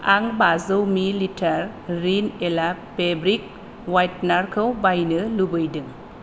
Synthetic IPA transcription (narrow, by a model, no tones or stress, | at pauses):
aŋbazɯwmilitʰaɾːinelapebɾik̚ | wajtnaɾkʰɯwbajnɯlubɯjdɯŋ